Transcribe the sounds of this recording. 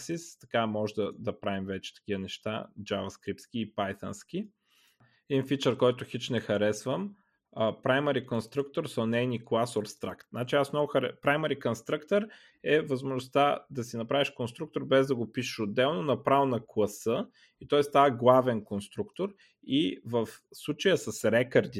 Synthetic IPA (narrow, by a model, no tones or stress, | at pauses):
sist̪ɐ̥kamɔʒɛd̪ɐd̪ɐpɾavimvɛt͡ʃɛ̥t̪ɐ̥k̟ʲivənɛʃt̪a̰d͡ʒavɐskɾip̚t̪skiːpajt̪ɐ̰nskʲi | ɛd̪infit͡ʃəɾkɔjt̪ʊxit͡ʃnɛxɐɾɛsvəm | əpɾajməɾikonst̪ɾukt̪oɾsonɛjniklˠasoɾst̪ɾa̰kt̪nat͡ʃiasnɔvʊxɐɾɛpɾajməɾikonst̪ɾəkt̪əɾ | ɛvɐzmoʒnʊst̪ad̪ɐsinɐpɾaviʃkonst̪ɾuk̚t̪oɾbɛzd̪ɐɡopiʃə̥ʃod̪ːɛlˠnonɐpɾavnɐklˠɐsɤ | it̪ɔɛst̪aɐɡlˠavɛnkonst̪ɾukt̪oɾ | ivəfslˠut͡ʃəjəsɐsɾɛkɐɾd̪i